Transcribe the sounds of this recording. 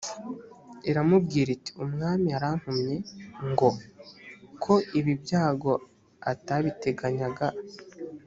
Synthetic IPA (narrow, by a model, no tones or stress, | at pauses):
eɾamub̚ɡiːɾiti̥umŋaːmiaɾaŋ̥humɲe̞ŋɡo̞ | kʰo̞iβibjaːɡo̞ | ataβite̞ɡaɲaɡa